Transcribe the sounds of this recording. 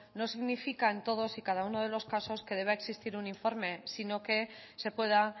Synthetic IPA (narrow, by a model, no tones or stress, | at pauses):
no̞siɣnifikae̞nt̪o̞ð̞o̞sikað̞auno̞ð̞e̞lo̞skaso̞ske̞ð̞e̞β̞aeksist̪iɾuniɱfo̞ɾme̞sino̞ke̞ | se̞pwe̞ð̞a